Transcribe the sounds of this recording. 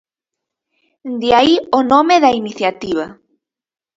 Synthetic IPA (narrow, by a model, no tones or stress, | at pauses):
nd̪iaionomeðɐiniθjat̪iβ̞ɐ